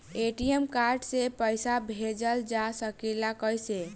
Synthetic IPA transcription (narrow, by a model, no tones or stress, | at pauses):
eʈiəmkaɾɖsepəjsabʱed͡ʒəld͡ʒasəkelakəjse